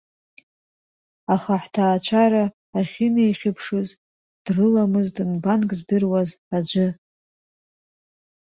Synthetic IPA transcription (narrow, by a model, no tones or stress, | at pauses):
aχaħtʰaːt͡ɕʷʰaɾaː | χʲɪnejχʲɪpʰʂɨz | d̥rɨlamɨzdɨnbankʼzdɨrwazad͡ʒʷɨ